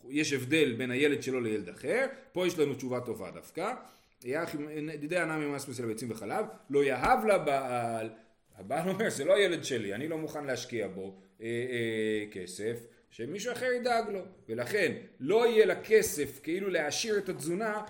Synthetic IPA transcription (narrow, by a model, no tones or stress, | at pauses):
jeʃe̞vd̪e̞lbe̞nhaje̞led̪ʃe̞lo̞lejeled̪aχe̞ʁpo̞jeʃlanut͡ʃuvato̞va̰d̪a̰fka | ajaχimnt̪id̪ejanamimasmes̬elbet͡simveχalavlo̞jaɦavlabaʔl | habalo̞me̞ʁzelo̞aje̞le̞d̪ʃe̞lianilo̞muχanleaʃkiabo̞ | e | ke̞se̞f | ʃemiʃuaχeʁid̪aɡlo̞ve̞laχe̞nlo̞ijelakʰe̞se̞fke̞iluleaʃiʁet̪azuna